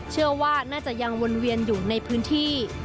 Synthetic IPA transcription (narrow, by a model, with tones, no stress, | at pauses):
t͡ɕʰɯ˥˩ɐwaː˥˩naː˥˩t͡ɕa˨˩ʔja˧ŋwo˧nwi˧ənjuː˨˩na˧jpʰɯː˦˥nt̪ʰiː˥˩